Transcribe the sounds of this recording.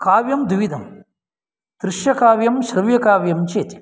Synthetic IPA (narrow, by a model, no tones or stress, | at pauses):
kaːʋjɐmd̪ʋid̪ʱɐm | d̪̥ɾɪʃjɐkaːʋjɐmʃɾɐʋjɐkaːʋjɐmt͡ʃeːt̪i̥